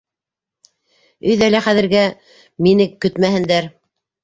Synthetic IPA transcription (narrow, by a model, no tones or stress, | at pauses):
ɵ̆jðælæχæðɘ̆ɾɡæ | minɘkːɵt̪mæhɘ̆nd̪æɾ